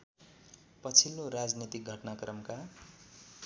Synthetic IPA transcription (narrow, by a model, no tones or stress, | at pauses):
pʌt͡sʰilːoɾad͡znit̪ik̚ɡʱʌʈnakrʌmka